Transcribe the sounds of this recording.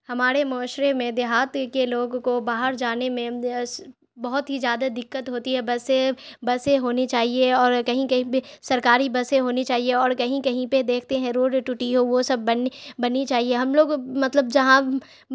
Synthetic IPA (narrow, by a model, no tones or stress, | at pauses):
hɐmaːɾemɔːʃɾemẽd̪eɦaːt̪keloːɡkobaːɦəɾd͡ʒaːnemẽ | bɐɦʊt̪ɦizjaːd̪ad̪ɪkːət̪ɦoːt̪iɦɛbɐsebɐseɦoːnit͡ʃaːɦieɔːɾkɐɦĩkɐɦĩpesɐɾkaːɾibɐseɦoːnit͡ʃaːɦieɔːɾkɐɦĩkɐɦĩped̪eːkʰt̪eɦɛ̃ɾoːɖʈʊʈiɦoʋosɐbbɐnbɐnːit͡ʃaːɦieɦɐmloːɡmɐt̪ləbd͡ʒɐɦã